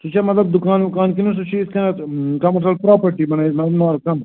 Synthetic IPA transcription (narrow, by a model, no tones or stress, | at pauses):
sut͡ʃʰɐmɐt̪lɐb̚d̪ukaːnukaːnkinusut͡ʃʰiːzkɐnɐkɐmɐɾsɐlpɾaːpɐɾʈibɐnɐimɐt̪lɐbnaːɾkɐm